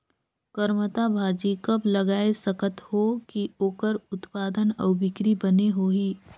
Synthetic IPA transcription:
kəɾmət̪abʱaːd͡ʒikəblɐɡaːesəkət̪hokioːkəɾʊt̪paːd̪ənɐʋʊbɪkɾibɐneɦoːɦiː

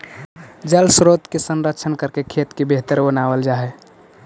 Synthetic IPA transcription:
d͡ʒəlsɾot̪kesənɾəkt͡ʃʰənkəɾkekʰet̪kebeɦt̪əɾbənabəld͡ʒaɦɛ

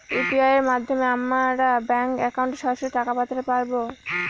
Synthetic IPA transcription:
upiajeɾmad̪ʱːomeamaɾabɛŋkɛkawɳʈeʃɔɾʃoɾiʈakapat̪aɾepaɾbo

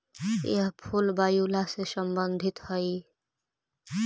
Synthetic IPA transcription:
ḛɦpʰulbajulasesəmbənd̪ʱit̪həj

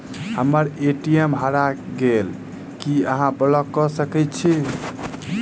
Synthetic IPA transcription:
həməɾeʈiemɦəɾaɡel | kiəɦãbələkːɔsəkɛt̪t͡ʃʰi

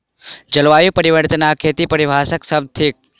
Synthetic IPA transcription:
d͡ʒəlʋaːjupəɾiʋəɾt̪ənakʰeːt̪ipəɾibʱaːsəksəb̚t̪ʰik̚

